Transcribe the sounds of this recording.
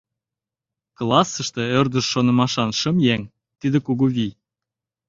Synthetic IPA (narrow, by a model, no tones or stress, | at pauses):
klˠɑsə̆ʃt̪ĕørd̪ə̆ʃːonə̆mɑʃɑnʃə̆mjæŋ | t̪id̪ĕkuɣuβi